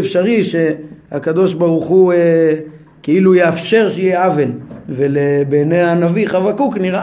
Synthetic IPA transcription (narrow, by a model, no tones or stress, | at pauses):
efʃaʁiʃehakad̪o̞ʃbaʁuχue | keilujeafʃe̞ʁʃejeavelvelebeneanaviχavakukniʁa